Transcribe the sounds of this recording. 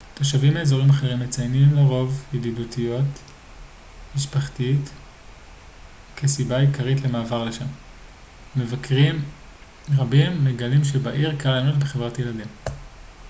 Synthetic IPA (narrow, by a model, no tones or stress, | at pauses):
taʃavimeːzo̞ʁimaχeʁimːet͡sajnimleʁo̞vjedidutʰijo̞t | miʃpaχtit | kʰesibaikaʁitlemaːvaʁleʃamː | evakʁim | ʁabimːeɡalimʃe̞baʔiʁkalanotbeχevʁataje̞ladim